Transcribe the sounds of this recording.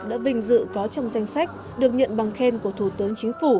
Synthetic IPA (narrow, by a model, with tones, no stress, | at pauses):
ɗa̰ː˧˥vï˨˩ŋ̟zɨ̰˧˨kɔ˨˦t͡ɕɔ˧wŋ͡mza˧jŋ̟sa˦˥k̟̚ | ɗɨ˨˩ək̚ɲə̰˧˨nɓa˨˩ŋxe˧nku˧˩ət̪ʰu˧˩t̪ɨ˨˦əŋt͡ɕi˨˦ŋ̟fu˧˩